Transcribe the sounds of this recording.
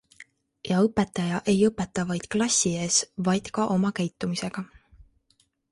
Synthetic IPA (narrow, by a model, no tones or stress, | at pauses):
jɑɤpːˑe̞t̪ːˑɑjɑʔe̞jɤpːˑe̞t̪ːˑɑvɑjd̪̥klɑsʲːie̞ːsvɑjd̪̥kɑʔo̞mɑkæjt̪ːˑumise̞ɡ̥ɑ